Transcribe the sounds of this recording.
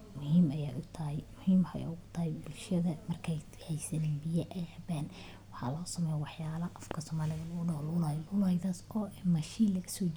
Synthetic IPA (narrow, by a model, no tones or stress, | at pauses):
mʊhiːmɐjaːʔʊt̪ʰɐɦɛjmʊhiːmhɐ̰ja̰ʊɣʊt̪ʰɐhɛjbʊlʃɐðɐmɐrkʰɛjt̪ʰħɛjsɐnɛːmbijɐʔɛjɐbaːn | wɑħɑ̰lɔːsɐmɛjwɑħjaːlɐʔɐfkʰɐsɔːmaːlɪðɐlɐɣʊɖɐlʊlajlʊlajðɐsɔːɛmɐʃiːlɐɣɐsɔː